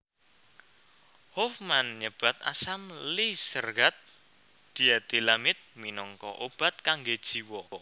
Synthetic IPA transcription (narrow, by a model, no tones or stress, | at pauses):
hofmanɲəb̥a̤t̪a̰samlisərɡat̪̚ | d̪̥i̤at̪ilamɪt̪̚minɔŋkɔ̰ʔob̥a̤t̪̚kaŋɡed̥ʒ̥i̤wɔ